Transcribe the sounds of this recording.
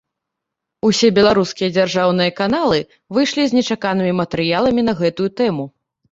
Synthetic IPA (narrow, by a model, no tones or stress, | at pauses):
usʲɛbʲɛlˠaɾuskʲijɐd͡zʲarʐawnɨjɐkan̪alˠɨ | vɨjʂlʲizʲnʲɛt͡ʂakanɨmʲimɐt̪ɛɾɨjalˠɐmʲinɐɣɛt̪ujut̪ɛmu